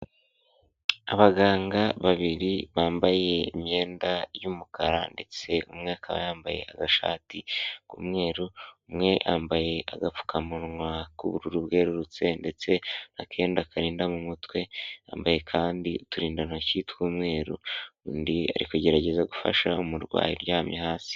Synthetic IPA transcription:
a̰βaɡaːŋɡaβaβiɾiβaːmbaje̞imɲe̞ːndajuːmukaɾa̰nde̞t͡se̞ṵmŋe̞akʰaβa̰jaːmbaje̞̰a̰ɡaʃa̰ːtikṵmŋe̞ːɾuumŋe̞ʔambaje̞a̰ɡap͡fu̥kʰamuɾŋwakuβuɾuɾubɡe̞ːɾuɾut͡se̞nde̞t͡se̞nakʰe̞ːndakʰaɾiːndamumutwe̞a̰ːmbaje̞kʰaːndituɾiːndanacitwuːmŋe̞ːɾundia̰ɾikeɟe̞ɾaɟe̞zaɡufa̰ʃaumuɾɡwa̰ːjiɾɟaːmɲiɦaːsi̥

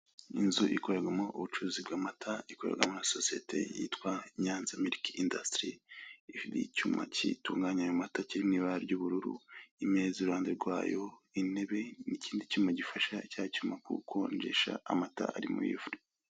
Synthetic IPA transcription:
inzuʔikoɾeɡamo̞ʔuβut͡ʃuzibɡaːmatʰaikoɾḛɡamonasosijetʰe̞̰jḭtkwaɲaːnzameɾikindastɾiifidḭcumʔa̰cḭtuːŋɡaɲaːjomataciɾimniːβaaɾɟuβuɾuɾṵime̞ːziɾuhaːndeɾɡwa̰ːjo̞ine̞βe̞niciːndicumaɟifaʃaicaːcumakṵːkʰo̞nd͡ʒeʃa̰amata̰a̰ɾimṵjifuɾi

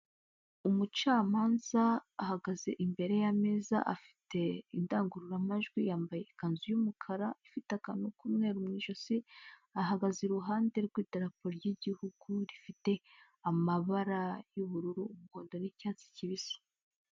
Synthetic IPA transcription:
umut͡ʃaːmaːnz̥aːhaɡaze̞ʔimbe̞ɾe̞jameːza̰ʔafi̥tʰe̞indaːŋɡuɾuɾamaʒɡwijaːmbaje̞kanzujumukʰaɾaifitakanokumŋe̞ːɾumŋiʒo̞siaɦaɡazeɾuɦaːnde̞ɾɡwiːteɾapoɾojiɟihuɡ̥uɾifite̞ | amaβaɾajuβuɾuɾuːmuho̞ːndo̞nicaːt͡si̥ciβiso̥

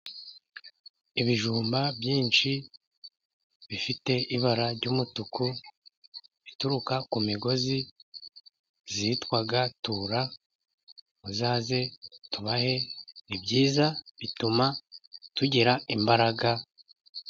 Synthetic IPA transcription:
iβiʒuːmbabjiːnt͡ʃi | βifite̞ʔiβaɾaɾɟuːmutuku | βituɾukakumiɡo̞zi | zitkwaɡatuɾa | βuzaːze̞tuβahe̞nibɟiːzaβitumatuɟiɾaimbaɾaɡa

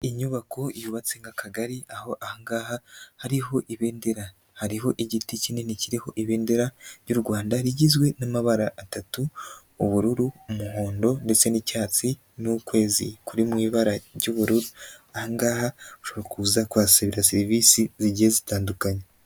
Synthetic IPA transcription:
iɲuβakʰo̞ijuβat͡se̞ŋɡakʰaɡaɾiaho̞ʔahaŋɡaːhahaɾiɦo̞ʔiβe̞ːnde̞ɾa | haɾiɦo̞ʔiɟiticineniciɾiho̞ʔiβe̞ːnde̞ɾaɾɟuɾɡwaːndaɾiɟizɡwe̞namaβaɾaʔːtatuː | βuɾuɾuumuho̞ːndo̞nde̞t͡se̞nicaːt͡si | nukwe̞ːzḭkuɾimŋiːβaɾaɾɟuβuɾuɾuahaŋɡaːhauʃoβoɾokuuzakuasaβiɾaseɾiviːsiziɟiezitaːndukaɲe

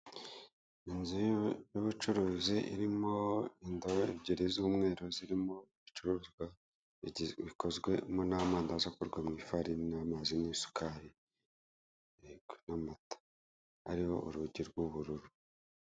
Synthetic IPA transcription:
inzijoβut͡ʃuɾuːziʔiɾimo̞indoeβɟiɾizuːmŋe̞ːɾoziɾimo̞iβit͡ʃuɾuːzɡwa | βikozɡwe̞monaːmaːndazakuɾɡwamŋiːfaɾinamazinisu̥kʰaɾi | eɡnamatḁ | a̰ɾiho̞ʔuɾuɟiɾɡuβuɾuɾu

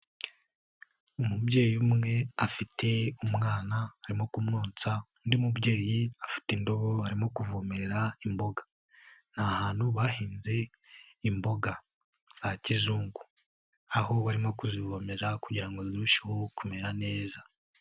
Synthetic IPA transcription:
umubɟe̞ːjiumŋe̞afitʰe̞umŋaːnaːɾimo̞kumnuːnt͡sa | ndiumubɟe̞ːjiafi̥tindo̞βo̞aɾimo̞kuvomeɾeɾaimbo̞ɡḁ | n̥hahaːnhuβahiːnze̞ | imbo̞ɡa | z̥acizuːŋɡu | aɦo̞βaɾimo̞kuzivo̞meɾeɾakuɟiɾaŋɡoziɾuʃahokume̞ɾane̞ːza

